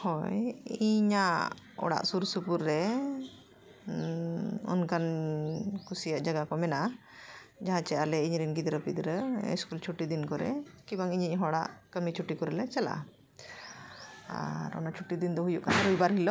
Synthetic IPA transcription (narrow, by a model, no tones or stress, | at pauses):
hɔjiɲa | ɔ̰ɽa̰ʔsuɾsupuɾːɛ | ɔ̰nkan | kʰusijaʔd͡ʒaɡakɔmɛna | d͡ʒaɦãt͡ʃɛʔalɛiɲɾinɡid̪ɾəpid̪ɾə̰skult͡ʃʰuʈid̪inkɔɾɛ̰kibaŋiɲicɦɔɽa̰ʔkəmit͡ʃʰuʈikɔɾɛlɛt͡ʃɛla̰ | a̰ɾɔ̰nat͡ʃʰuʈːid̪ind̪ɔɦujuʔkanaɾujbaɾɦilɔ